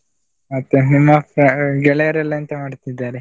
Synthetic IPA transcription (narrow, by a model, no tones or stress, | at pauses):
mɐt̪ːenimːɐpɾɐɡɛɭɛjɐɾɛlːɐɐnt̪ɐmaːɖt̪id̪ːaːɾe